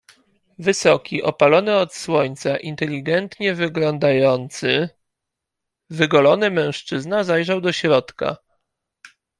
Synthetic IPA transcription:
vɘsɔkʲiʔɔpalɔnɘɔt̪swɔɲt̪saʔint̪ɛlʲiɡɛnt̪ɲɛvɘɡlɔnd̪ajɔnt̪sɘ | vɘɡɔlɔnɘmɛ̃w̃ʂt͡ʂɘznazajʐawd̪ɔɕɾɔt̪ka̰

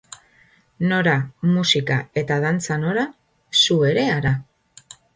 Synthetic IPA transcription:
no̞ɾamusikae̞t̪að̞ant͡sano̞ɾa | sue̞ɾe̞aɾa

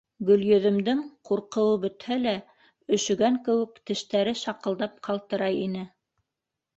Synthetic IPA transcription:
ɡɵ̆ljɵ̆ðɵ̆md̪ɘŋquɾqɤ̆wɤbɵ̆t̪hælæ | ɵ̆ʃɵ̆ɡæŋkɘ̆wɘ̆kt̪ɘ̆ʃt̪æɾɘʃɑqɤ̆lˠd̪ɑp̚qʰɑlˠt̪ɤ̆ɾɑjinɘ

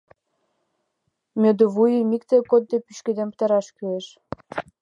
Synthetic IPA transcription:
mʲød̪oβujəmikt̪ekod̪̚ːepyʃked̪empə̥t̪ɑɾɑʃkyeʃ

